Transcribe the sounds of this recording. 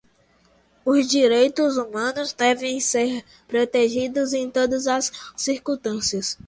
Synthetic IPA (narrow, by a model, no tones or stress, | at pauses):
ʊzd͡ʒiɾejt̪ʊzumɐ̃nʊzd̪ɛvẽj̃seɾ | pɾot̪eʒid̪ʊzẽj̃t̪od̪ɐzɐsːiɾkũt̪ɐ̃siɐs